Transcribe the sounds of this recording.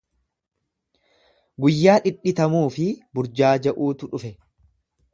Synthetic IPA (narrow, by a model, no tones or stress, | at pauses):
ɡʊjːaːᶑɪᶑɪt̪ɐmuːfɪbʊɾd͡ʒaːd͡ʒɐʔuːt̪ʊᶑʊfɛ